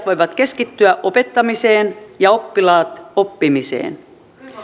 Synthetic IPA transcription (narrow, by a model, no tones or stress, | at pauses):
t̪ʋojʋɑt̪ke̞skit̪ːyæʔo̞pe̞t̪ːɑmiseːnjɑopːilɑːt̪opːimisḛːn